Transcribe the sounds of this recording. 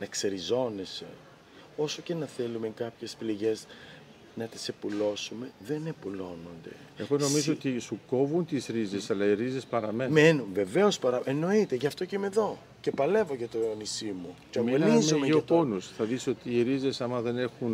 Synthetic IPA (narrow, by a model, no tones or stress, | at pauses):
nɐkseɾizo̞ne̞se̞̰ | o̞so̞ce̞nɐθe̞lume̞kɐpçe̞spliʝe̞z | nɐt̪isepulo̞sume̞ðe̞ne̞pulo̞no̞nd̪e̞ | exono̞mizoot̪isuko̞vunt̪isɾize̞sɐlɐiɾize̞spɐɾɐmenmenunve̞ve̞o̞spɐɾɐʔeno̞it̪eʝɐft̪o̞ceimeðo̞ | ce̞pɐle̞voʝɐt̪oeonisimuceomoizumeoponusθɐðiso̞t̪iːɾizesɐmɐðe̞ne̞xun